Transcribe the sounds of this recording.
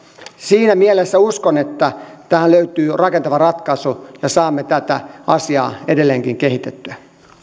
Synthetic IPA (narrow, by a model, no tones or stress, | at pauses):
siːnæmielesːæuskonet̪ːæt̪æhælløyt̪yːrɑkent̪ɑʋɑrɑt̪kɑsujɑsɑːmːet̪æt̪æɑsiɑ̰ːedelːeːŋkiŋkeɦit̪et̪ːyæ